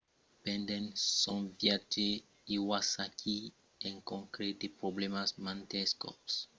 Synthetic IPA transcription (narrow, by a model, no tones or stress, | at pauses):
pɛ̃nd̪ẽnsõnvjad͡ʒe | iwasakʰi | ẽŋkõŋkɾed̪epɾoblemasmãnt̪eskɔ̰s